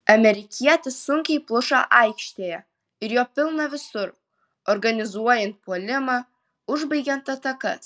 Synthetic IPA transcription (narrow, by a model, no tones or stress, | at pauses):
ɐmʲeɾʲɪkʲʰijɛt̪ʲɪsʊŋʲkʲejplˠʊʃɑʔɑjkʃt̪ʲejɛ | ɪɾjoːpʲɪlˠnɐʋʲɪsʊɾ | ɔrɡɐnʲɪzuɔjɛnt̪̚polʲɪmɑ | ʊʒbɐjɡʲɛnt̪ɐt̪ɐkɐ